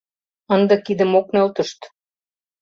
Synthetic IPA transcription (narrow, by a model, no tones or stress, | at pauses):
ənd̪ɤ̆kid̪ə̆moknølt̪ə̆ʃt̪